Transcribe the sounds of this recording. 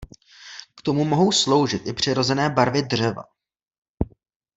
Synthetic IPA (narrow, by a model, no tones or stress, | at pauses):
kt̪o̞mumo̞ɦo̞wslo̞wʒɪt̪ʔɪpr̝̥ɪɾo̞zɛnɛːbaɾvɪdr̝ɛva̰